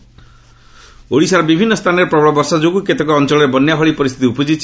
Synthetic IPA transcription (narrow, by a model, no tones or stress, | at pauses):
oɽisaɾɔbibʱinːɔst̪ʰanɔɾepɾɔbɭɔbɔɾsad͡ʒoɡuket̪ekɔːnt͡ʃɔɭɔɾebɔnjaɦʰɔɭipɔɾist̪ʰit̪iupɔd͡ʒit͡ʃʰ